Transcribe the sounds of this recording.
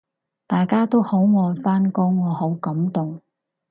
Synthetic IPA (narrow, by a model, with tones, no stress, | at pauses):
t̪aː˨jkaː˥t̪o˥who˨˥wŋɔː˨˧jfaː˥nkɔː˥ŋɔː˨˧ho˨˥wkɐ˨˥mt̪ʊ˨ŋ